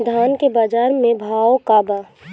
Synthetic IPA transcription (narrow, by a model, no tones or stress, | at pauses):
d̪ʱaːnkebaːd͡ʒaːɾmẽbʱaːokaːbaː